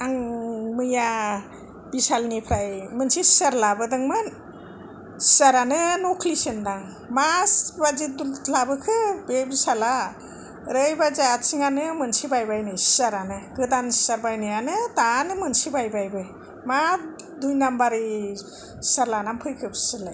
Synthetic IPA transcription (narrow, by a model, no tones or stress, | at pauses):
aŋmɯja | bisalnipʰɾajmɯnsisaɾlabɯdɯŋmɯn | saɾanɯnokʰlisendaŋ | masbazidulabɯkʰɯbebisala | ɾɯjbazaatsiŋanɯmɯnsibajbajnɯjsaɾanɯɡɯdansaɾbajnɯjanɯtanɯmɯnsibajbajbɯ | ma | dujnambaɾi | saɾlanampʰɯjkʰɯbsɯlaj